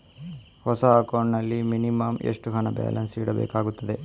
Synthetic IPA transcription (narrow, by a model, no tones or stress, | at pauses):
hɔsɐːkoːɳnɐlːiminimaːmḛʂʈuɦɐnɐba̰ːlʔɐnsiːɽɐbɛ̰ːkaːɡut̪ːɐd̪e̞